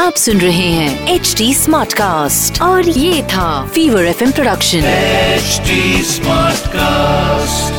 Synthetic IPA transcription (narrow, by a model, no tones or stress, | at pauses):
aːpsʊnɾɐɦeɦɛ̃ːeːt͡ʃʈiːsmaːɾʈkaːsʈɔːɾjeːt̪ʰafiːʋəɾɛfɛ̃mpɾoɖɐkʃə̃nt͡ʃʈismaːɾʈkasʈ